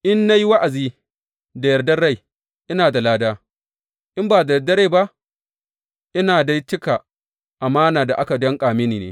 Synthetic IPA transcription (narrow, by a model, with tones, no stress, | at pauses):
ʔɪ˦nːa˦ji˦wa˦ʔa˨ziː˦ | da˨jɐ˨rdɐ˦ɽa˦j | ʔɪ˦naː˨da˨laː˦daː˦ | ʔɪ˦mbaː˨da˨dɐ˦ɽe˦˨ba˦ʔ | ʔɪ˦naː˨da˦jt͡ʃɪ˦ka˨ | ʔa˨maː˦naː˨da˨ʔa˦ka˨dɔ˦ŋkʼaː˨mɪ˦niː˨nḛː˦